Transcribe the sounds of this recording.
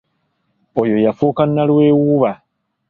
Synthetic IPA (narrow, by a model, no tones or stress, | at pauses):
ojo̞jafuːkanːalwe̞ːwuβa